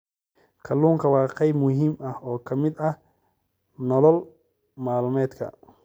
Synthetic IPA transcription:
kʰɐluːŋkʰɐwɑːqɛjmʊɦiːmɐhɔːkʰɐmɪd̪ɐh | nɔlɔl | maːlʊmɛːd̪kʰɐ̰

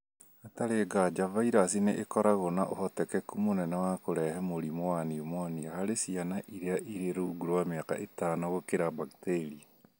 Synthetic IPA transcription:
ataɾeɡad͡ʒavaiɾasineʔekɔɾaɣonaʔohɔtɛkɛkumonɛnɛwakoɾɛɦɛmoɾimowaniomwaniahaɾesianaʔiɾeaʔiɾeɾoɡuɾowameaka̰ʔetanoɣokeɾabakteɾia

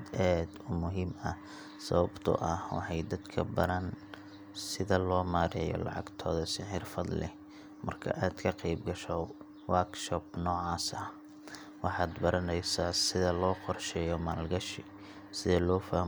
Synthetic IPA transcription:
d̪ʔaːd̪ʊmʊɦiːmɐ | sɐβɐbt̪ʰʊ̰ʔɐhwɑ̰ħɑjd̪ɐd̪kʰɐbɐɾɐn | sɪðɐlɔːmaːɾɛjɔ̰lɑ̰ʕɑ̰ɡt̪ʰɔːðɐsɪħɪrfɐd̪lɪ̰ | mɐrkʰɐ̰ʔaːd̪kʰɐqɑjbɡɐʃɔ | wakʃɔbnɔːʕɑːsɐh | wɑħɑːd̪bɐɾɐnɛjsaːsɪðɐlɔːqɔrʃɛːjɔmaːlɡɐʃi | sɪðɛlɔːfaːh

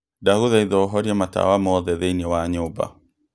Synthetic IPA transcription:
daɣuðaiðɔɦɔɾiɛmata̰wamɔðɛðeinɛwaɲoba̰

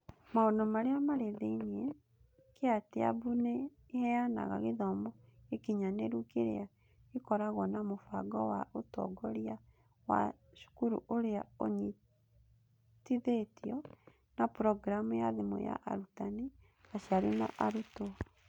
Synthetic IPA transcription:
maonɔmaɾeamaɾeðeine | keateabuneː | hɛjana̰ɣa̰ɣeðɔmɔekiɲaneɾukeɾḛa | ekɔɾaɣɔnamofaɡɔwaotɔ̰ɡɔɾja | wa̰ | ʃu̥kuɾṵʔoɾeaoɲi | tiðetiɔ | napɾɔɡɾamujaðemo̰ja̰ʔaɾutane | aʃaɾina̰ʔaɾuto

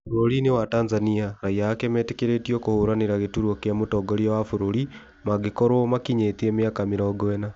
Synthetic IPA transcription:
fuɾoɾinewataːnzaniaɾaiaakɛmɛtekeɾetiokohoːɾaneɾaɣetuɾwokejamotɔːɡoɾiawafuɾoɾi | maɡekoɾomakiɲet̪iemeakamiɾɔɡwɛna

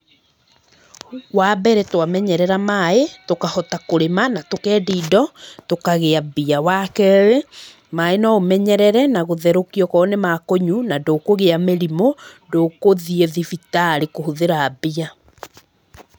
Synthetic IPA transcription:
wabɛɾɛtwamɛɲɛɾɛɾamaetokahɔtakoɾemanatokɛːdidɔtokaɣeabiawakɛwe | maenaomɛɲɛɾɛɾɛnaɣoðɛɾokiɔkɔːnemakoɲunadokoɣeameɾimo | dokoðieðifitaɾikohuðeɾaːbia

